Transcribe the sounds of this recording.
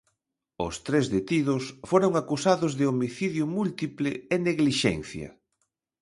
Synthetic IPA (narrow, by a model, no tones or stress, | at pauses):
ʊ̰st̪ɾezðet̪iðʊsfoɾoŋakusaðʊzðɪomiθiðjʊmult̪iplɪeneɣliʃɛ̰n̟θjɐ̰